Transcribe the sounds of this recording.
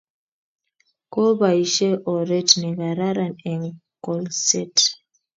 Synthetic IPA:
ko˦ba˨i˨ʃɛ˦ʔɔ˨ɾɛ˦tnɛ˨ɣa˨ɾa˦ɾa˨nɛ˨ŋkɔ˨lsɛ˦t

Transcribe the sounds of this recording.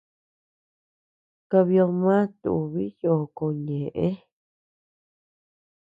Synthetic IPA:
ka˧βi˧o˧mã˦t̪ṵ˧ʔu˨βi˦jo˨ko˧ɲẽ˨ʔẽ˦

